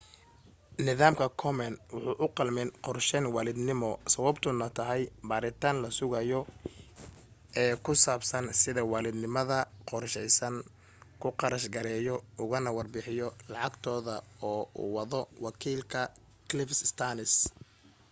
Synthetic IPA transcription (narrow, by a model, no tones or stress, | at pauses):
nɪðaːmkʰɐkʰɔmɛnwʊħuːʔʊqɑlmɪnqɔrʃɛnwɑːlɪd̪nɪmɔsɐwɐbt̪ʰʊnɐt̪ʰɐɦɛjbaːɾɪt̪ʰaːnlɐsʊɣɐjɔ | ɛːkʰʊsaːbsɐnsɪðɐwɑːlɪd̪nɪmɐðɐqɔrʃɛjsɐŋ | kʰʊqɑɾɐʃɡɐɾɛːjɔʊɣɐnɐwɑrbɪħɪjɔlɑʕɑɡt̪ʰɔːðɐɔːṵːwɑðɔwɑkʰiːlkʰɐ | kʰlɪfsst̪ʰaːnɪs